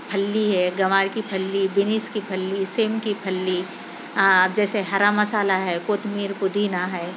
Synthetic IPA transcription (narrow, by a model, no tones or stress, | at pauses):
pʰɐlːiɦɛɡɐʋaːɾkipʰɐlːibɪniːskipʰɐlːiseːmkipʰɐlːi | d͡ʒɛːseɦɐɾamɐsaːlaɦɛkoːt̪miːɾpʊd̪ʱinaɦɛː